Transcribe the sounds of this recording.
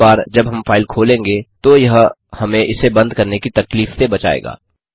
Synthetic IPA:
baːɾd͡ʒɐbɦɐmfaːɪlkʰoːlẽːŋɡet̪ojɐɦ | hɐmẽʔɪsebɐ̃nd̪kɐɾnekit̪ɐkliːftebɐt͡ʃa̰ːḛːɡa̰ː

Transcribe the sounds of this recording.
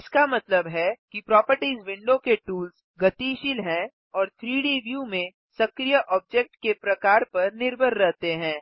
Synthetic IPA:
ɪskamɐt̪ləbɦɛkipɾɔːpəɾʈiːzʋɪ̃ɳɖõkeʈuːlz | ɡɐt̪iʃilɦɛ̃ | ɔːɾt̪ʰɾiːɖiʋjuːmẽ | sɐkɾijəʔɔːb̚d͡ʒek̚ʈkepɾɐkaːɾpɐɾnɪɾbʱəɾɾɛɦt̪eɦɛ̃ː

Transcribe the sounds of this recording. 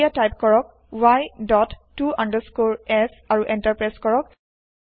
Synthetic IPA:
atajp̚kɔɹɔk̚ | wajdɔtːuʔandəskoɹɛs | aɹuʔɛ̃ntaɹpɹaskɔɹɔk

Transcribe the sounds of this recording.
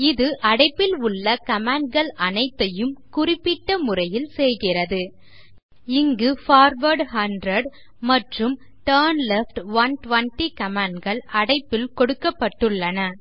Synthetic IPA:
ɪðɯʔɐɽɐɪpːɪlʊɭːɐkɐmaːɳɖ̚ɡɐɭɐnɐɪt̪ːɐjɯmkʊrɪpːɪʈːɐmʊrɐjɪlsɛjɣɪrɐðɯ | ɪŋɡɯfaːɾʋɐɾɖhɐndrɐɖ | mɐʈrɯm | ʈɐːɾnlɛfʈʋɐnʈʋɐɳʈikɐmaːɳɖɡɐɭɐɽɐɪpːɪlkɔɽɯkːɐpːɐʈːɯɭːɐnɐ

